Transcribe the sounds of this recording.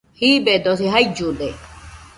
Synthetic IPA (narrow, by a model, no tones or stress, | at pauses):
hibed̪osiɦaid͡ʒud̪e